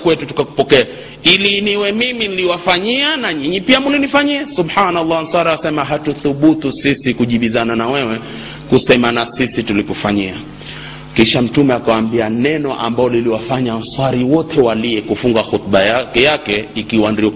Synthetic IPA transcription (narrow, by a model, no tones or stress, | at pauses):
kwɛtutu̥kaku̥pɔkɛa | iliniwɛmiminiliwafaɲianaɲiɲipiamulinifaɲiɛsuɓhanalːam̩swaɾiasɛmaɦatuθuɓutusisikuʄiɓizananawɛwɛ | kusɛmanasisitulikufaɲia | kiʃam̩tumɛakawambianɛnɔʔa̰mbaɔliliwafaɲam̩swaɾiwɔtɛwaliɛkufuŋɡaxut̪̚ɓajkɛjakɛikiwandiɔ